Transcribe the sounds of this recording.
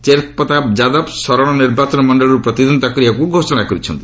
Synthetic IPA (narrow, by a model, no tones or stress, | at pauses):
t͡ʃeɾt̪̚pɔt̪abd͡ʒad̪ɔbsɔɾɔɽ̃ɔniɾbat͡ʃɔnmɔɳɖɔɭɔɾupɾɔt̪id̪ɔnt̪akɾijakuɡʱosɔɽ̃akɔɾit͡ʃʰɔ̰nt̪i